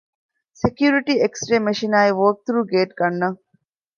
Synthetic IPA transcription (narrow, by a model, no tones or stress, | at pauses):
sekjuːɾiʈieksʈɾeːmeʃinaːiʋoːk̚t̪uɾuɡeːʈɡɐnːɐŋ